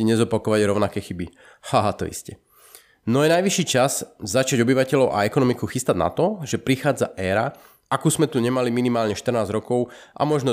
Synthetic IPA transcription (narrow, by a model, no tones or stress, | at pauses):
iɲɛzɔpakɔʋaɟɾɔʊnakɛːxibi | haɦat̪ɔ̰ḭscɛ | nɔjɛnajʋiʃiːt͡ʃaz̥zat͡ʃaɟɔbiʋacɛʎɔʊʔa̰ɛkɔnɔmikuxist̪aɟna̰t̪ɔʒɛpɾixaːd͡za̰ʔɛːɾa | ʔakuːzmɛt̪uɲɛmaliminimaːlɲɛʃt̪r̩naːzɾɔkɔʊʔa̰mɔʒnɔ